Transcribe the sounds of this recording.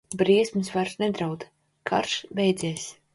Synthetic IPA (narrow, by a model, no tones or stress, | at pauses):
bɾiɛsmɨsvaɾsnɛd̪ɾawd̪ | kʰa̰ɾʃbɛjd̪zʲiɛs